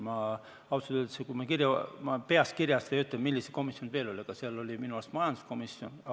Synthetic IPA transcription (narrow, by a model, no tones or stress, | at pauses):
mɑ | ɑwsɑet̪sekumɑkirjɑmɑpe̞ɑst̪kirjɑst̪ɑjɑyt̪ːˑemilːise̥ko̞misjo̞nve̞ːlo̞lʲikɑseɑlo̞lʲiminuɑst̪mɑjɑnd̪u̥sko̞misjon